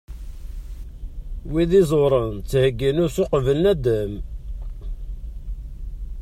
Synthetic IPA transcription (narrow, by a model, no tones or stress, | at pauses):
wiðizˤoɾˤənt͡sːhəɡːənʊɾsʊqvələnæd̪əm